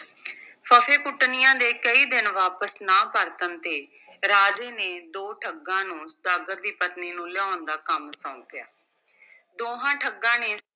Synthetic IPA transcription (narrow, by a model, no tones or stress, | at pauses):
pʰəpʰeːpʊʈːnɪjãːd̪eːkəiːd̪ɪnʋaːpəsnãːpəɾt̪ənt̪eː | ɾaːd͡ʒeːneːd̪oːʈʰəɡːãːnũːsd̪aːɡəɾd̪iːpət̪niːnũːlaːnd̪aːkəmsãũːkɪjaː | d̪oːɦãːʈʰəɡːãːneː